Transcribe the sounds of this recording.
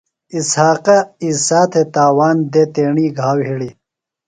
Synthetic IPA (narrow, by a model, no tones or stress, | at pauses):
ishaːqɐisaːt̪ʰet̪aːwaːnd̪et̪eːɳiːɡʱaːwɦiɽi